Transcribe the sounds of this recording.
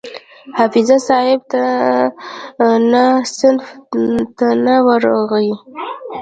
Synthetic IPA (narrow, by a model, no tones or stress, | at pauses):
hafɪzasɑhɪb̚t̪a | nasɪnft̪anawəɾoɣawi